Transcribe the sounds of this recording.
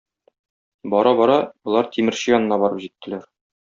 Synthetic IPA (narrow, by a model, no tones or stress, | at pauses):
bɒɾɑbɒɾɑbŏlˠɑɾt̪ʰimɘ̆ɾɕɘjɒnɤ̆nɑbɒɾɤpʑit̪ːɘ̆læɾ